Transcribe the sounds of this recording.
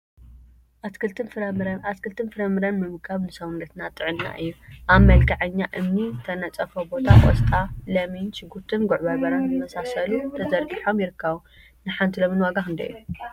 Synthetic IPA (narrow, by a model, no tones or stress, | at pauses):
ʔaɨt̪ɨɾɐaskʰɨlt̪ʰɨnfɨɾɐmɨɾɐnmɨmɨkʰaβnɨsɐwunɐt̪nat̪ʼɨʕɨnːa̰ʔɨjːuʔaβmɐlkʰaʕɨɲːaʔɨmnit̪ʰɐnɐt͡sʼɐfobo̞t̪ʰakʼo̰st̪ʼalɐmint͡ʃɨɡuɾt̪ʰɨnɡʊʕbaβɐɾanzɨmɐsasɐlut̪ʰɐzɐɾɡiħo̞mjɪɾɨkʰːɐβu | nɨħant̪ʰilɐminwaɡaxɨnd̪ɐ̰ʔjːu